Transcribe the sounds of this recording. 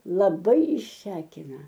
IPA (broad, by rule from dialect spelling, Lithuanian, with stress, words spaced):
lˠɐˈbɐɪ ɪʃʲˈsʲæːkʲɪnɐ